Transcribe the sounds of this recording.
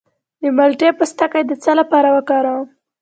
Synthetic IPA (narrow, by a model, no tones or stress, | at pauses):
d̪əmalʈepəst̪akajd̪ət͡səlapɑɾawəkɑɾa